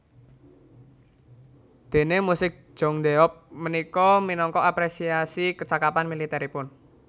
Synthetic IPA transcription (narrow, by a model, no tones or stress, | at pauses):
d̪̥e̤nemusɪk̚ʒ̥ɔŋd̪eɔp̚mənikɔminɔŋkɔʔapɾesiasikət͡ʃakapanmilit̪ɛɾipʊn